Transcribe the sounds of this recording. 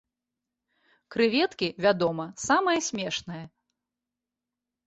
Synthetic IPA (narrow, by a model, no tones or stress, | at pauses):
kɾɨvʲɛt̪kʲivʲad̪ɔmɐsamɐjɐsʲmʲɛʂnɐjɐ